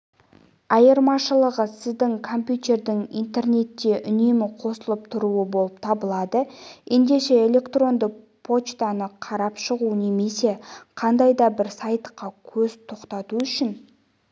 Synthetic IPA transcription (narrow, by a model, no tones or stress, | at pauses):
ɑjəɾmɑʃəlˠəʁəsɪzd̪ɪŋkʰo̞mpjut̪e̞rd̪ɪŋijnt̪e̞rne̞t̪ːe̞ʔʏne̞mɪqʰo̞səlˠəp̚t̪ʰʊɾuəbo̞lˠəp̚t̪ʰɑbəlˠɑd̪əje̞nd̪e̞ʃe̞ːlʲe̞kt̪ro̞nd̪ə | pʰo̞t͡ʃt̪ɑnəqʰɑɾɑpʃəʁune̞me̞se̞qʰɑnd̪ɑjd̪ɑbɪɾsɑjt̪qɑkʲʰɵzt̪ʰo̞qt̪ɑt̪uʏʃɪn